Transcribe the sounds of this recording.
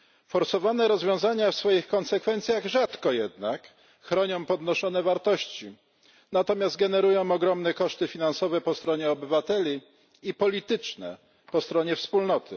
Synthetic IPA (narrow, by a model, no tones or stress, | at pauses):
fɔɾsɔvanɛɾɔzvʲjɔ̃w̃zaɲafsfɔjixkɔnsɛkfɛnt̪sʲjaɣʐat̪kɔjɛd̪nak | xɾɔɲɔ̃w̃pɔd̪nɔʂɔnɛvaɾt̪ɔɕt͡ɕi | nat̪ɔmʲjazd̪̚ɡɛnɛɾujɔ̃w̃ɔɡɾɔmnɛkɔʂt̪ɘfʲinansɔvɛpɔst̪ɾɔɲɛɔbɘvat̪ɛlʲi | ipɔlʲit̪ɘt͡ʂnɛ̰ | pɔst̪ɾɔɲɛfspulnɔt̪ʰɘ̰